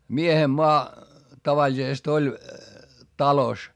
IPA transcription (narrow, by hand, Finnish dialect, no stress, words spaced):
miehem moɑ tɑʋɑlʲisest olʲ tɑlos